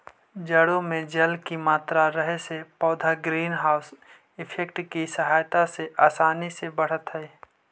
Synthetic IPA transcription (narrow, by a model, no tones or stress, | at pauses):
d͡ʒəɽõmẽd͡ʒɐlkimaːt̪ɾaɾəɦesepɔːd̪ʱaɡɾiːnɦaːʊs | ɪpʰek̚ʈkisəɦaːjt̪aseʔaːsaːnisebəɽ̤ət̪ɦɛː